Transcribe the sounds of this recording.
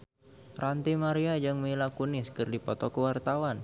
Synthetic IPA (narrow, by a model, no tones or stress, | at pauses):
rant̪imaɾiad͡ʒɨŋmlakuniskɨrdipɔt̪ɔkəwart̪awan